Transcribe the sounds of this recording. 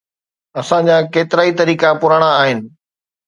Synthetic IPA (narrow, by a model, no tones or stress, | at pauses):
ɐsãd͡ʑakeːt̪ɪɾaːit̪ɐɾiːkapʊɾəɽ̃aːɦɪnɪ̆